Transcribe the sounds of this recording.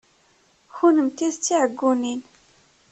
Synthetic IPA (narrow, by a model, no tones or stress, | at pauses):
xunəmt̪iðt͡sːiʕəɡunin